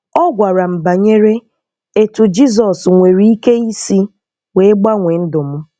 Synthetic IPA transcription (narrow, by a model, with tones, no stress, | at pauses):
ɔ˦ɡʷa˨ɾa˨m̩˨ba˨ɲe˦ɾe˦ | e˨tu˨d͡ʒi˦z̬ɔ˨sŋʷe˨ɾi˦i˦ke˦i˦si˦ | we˦e˦ɡ͡ba˦ŋʷe˨n̩˦dʊ˨m̩˦